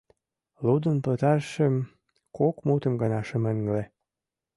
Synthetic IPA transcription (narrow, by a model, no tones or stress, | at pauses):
lud̪ə̆npə̆t̪ɑrʃəm | kokmut̪ə̆mɡɑnɑʃə̆mə̆ŋɡle